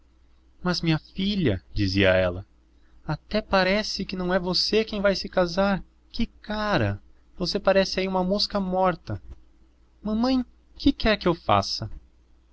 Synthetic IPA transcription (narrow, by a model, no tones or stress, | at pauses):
mɐzmĩɲɐfiʎɐ̰d͡ʒiziɐ̰ɛ̰lɐ | at̪ɛpaɾɛsɪkɪnɐ̃w̃ɛvosekẽj̃vajsɪkazaɾ | kɪkaɾɐ̰ | vosepaɾɛsɪaiũmɐmuskɐmɔɾt̪ɐ | mɐ̃mɐ̃j̃ | kɪkɛɾkɪewfa̰sɐ